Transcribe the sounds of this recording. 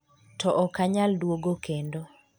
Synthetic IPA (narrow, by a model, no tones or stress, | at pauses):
tɔʔɔkaɲaldwoɡokʰendo